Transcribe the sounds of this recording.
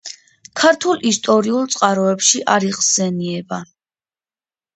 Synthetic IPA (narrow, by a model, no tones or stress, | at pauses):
kʰaɾt̪ʰulist̪ʼɔɾiulˠt̪sʼqʼaɾɔɛpʃiʔaɾiʁzɛniɛba